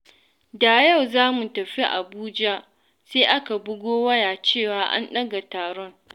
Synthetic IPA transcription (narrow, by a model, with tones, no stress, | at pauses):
da˨jɐ˦˨wzaː˦mu˨tɐ˨ɸi˦ʔa̰˨buː˦d͡ʒa˦ʔ | seː˦ʔa˦ka˨bʊ˦ɡʷoː˦wɐ˦jaː˨t͡ʃeː˦˨waː˨ʔa̰˦nɗɐ˦ɡa˨taː˨ɽɔ˦ŋ